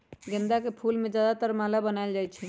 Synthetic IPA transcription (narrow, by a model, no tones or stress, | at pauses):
ɡənd̪akepʰulmed͡ʒjad̪at̪əɾmalabənajld͡ʒajt͡ʃʰɛ